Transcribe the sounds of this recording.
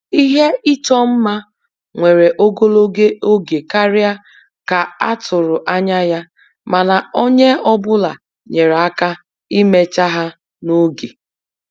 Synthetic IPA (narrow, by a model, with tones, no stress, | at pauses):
i˦ɦe˦i˦t͡ʃɔ˦m̩˦ma˦ | ŋʷe˨ɾe˨ʔo˦ɡo˦lo˦ɡe˦o˦ɡe˨ka˦ɾɪ˦a˦ | ka˨a˦tʊ˨ɾʊ˨ʔa˦ɲa˦ja˦ | ma˨na˨o˦ɲe˦ɔ˦bʊ˦la˨ | ɲe˨ɾa˦ka˦ | i˦me˦t͡ʃa˦ɦa˦ | no˦ɡe˨